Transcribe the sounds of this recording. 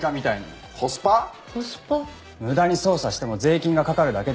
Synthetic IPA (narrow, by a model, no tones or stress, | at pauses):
kamʲit̪aina | kʰosɨ̥pa | sa | mɯ̟d̪aɲ̟iso̞ːsaɕi̥t̪e̞mo̞ze̞ːkʲĩŋɡakakaɾɯ̟d̪ake̞